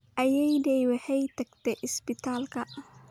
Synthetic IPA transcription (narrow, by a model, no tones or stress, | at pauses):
ʔɐjɛjdɛjwɐħɛjt̪ʰɐɡ̚t̪ʰɛʔɪsbɪt̪ʰaːlkʰɐʔ